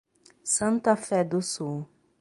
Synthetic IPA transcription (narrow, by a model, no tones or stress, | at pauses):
sɐ̃nt̪ɐfɛd̪ʊsu